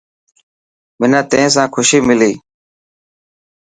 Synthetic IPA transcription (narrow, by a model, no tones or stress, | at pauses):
mɪnãːt̪eẽːs̬ãːkʰʊʃiːmɪliː